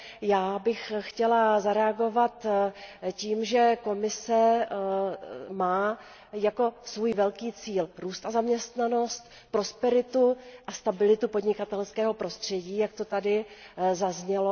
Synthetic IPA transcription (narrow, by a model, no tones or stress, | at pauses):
jaːbɪxxcɛlazaɾɛaɡo̞vat̪ | ciːmʒɛko̞mɪsɛ | maː | jako̞svuːjvɛlkiːt͡siːlɾuːst̪ʔazamɲɛst̪nano̞st̪ | pɾo̞spɛɾɪt̪uʔast̪abɪlɪt̪upo̞d̪ɲɪkat̪ɛlskɛːɦo̞pɾo̞st̪r̝̥ɛɟiːjak̚t̪o̞t̪adɪzazɲɛlo